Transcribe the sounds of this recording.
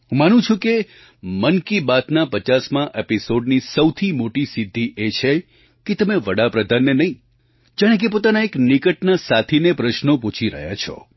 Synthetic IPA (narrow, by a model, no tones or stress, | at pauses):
ɦũmanũt͡ʃʰũke | mənkibat̪napət͡ʃasmãʔepisoɖnisəwt̪ʰimoʈisid̪ʱːiʔet͡ʃʰe | ket̪əmeʋəɽapɾəd̪ʱanːenəɦĩ | d͡ʒaɽ̃ẽk̬epot̪anaeknikəʈnasat̪ʰinepɾəʃnoput͡ʃʰiɾə̰ɦja̰t͡ʃʰɔ̰